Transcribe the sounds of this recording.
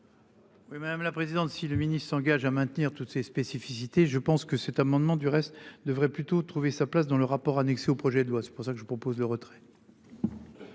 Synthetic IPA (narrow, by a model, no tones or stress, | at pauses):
wimad̪amlapχezid̪ɑ̃t̪siləminist̪χsɑ̃ɡaʒamɛ̃t̪niʁt̪ut̪sespesifisit̪eʒəpɑ̃skəsɛt̪amɑ̃d̪mɑ̃d̪yʁɛst̪d̪əvʁɛplyt̪ot̪χuvesaplas̬d̪ɑ̃ləʁapɔʁanɛkseopχɔʒɛd̪lwasɛ̥puʁsakəʒəpχɔpozləʁət̪χɛ̥